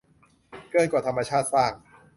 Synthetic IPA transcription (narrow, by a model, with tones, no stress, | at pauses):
kɯ˥˩ənkwaː˨˩t̪ʰa˧mːaː˧t͡ɕʰaː˥˩t̪̚saː˥˩ŋ